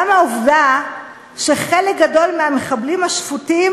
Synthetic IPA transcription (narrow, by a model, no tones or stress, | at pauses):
amaovda | ʃeχelek̚ɡado̞lmeame̞χablimhaʃfutim